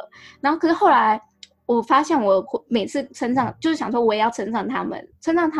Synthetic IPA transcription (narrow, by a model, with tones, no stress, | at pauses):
na˧˥xo˥˩kɤ˨˩ʂ̩˥˩xo˥˩ʊa˧˥ɪ | wɔ˨˩fa˥ɕjɛ˥˩nwɔ˨˩me˨˩ɪt͡sʰɹ̩˥˩ʈ͡ʂʰə˥nʈ͡ʂɑ˥˩ŋt͡ɕjo˥˧ʊʂɻ̩˥˩jɑ˨˩ʂwɔ˥wɔ˨˩˨jɑ˥˩ʊɤ˥nʈ͡ʂɑ˥˩ŋt̪ʰa˥mə̰˨nʈ͡ʂʰə˥nʈ͡ʂɑ˥˩ŋt̪ʰ